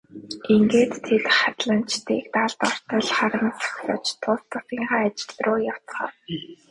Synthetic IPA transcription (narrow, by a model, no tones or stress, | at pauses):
iŋɡeːt̪ʰːet̪χat̪ɮə̆n̥t͡ɕt̪ḭːk̚t̪aɮt̪ɔr̥t̪ə̆ɮχaɾə̆nt͡sḁχsət͡ɕt̪ʰʊst̪ə̆t̪iːɴɢaːt͡ɕɪ̥̆ɮrʊːjaw̥t͡sχɔ̰ː